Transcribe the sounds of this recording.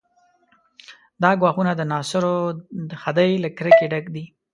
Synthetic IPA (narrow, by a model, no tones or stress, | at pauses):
d̪ɑɡwɑxunad̪ənɑsʊɾod̪əxad̪əjlakɾəkeɖakd̪i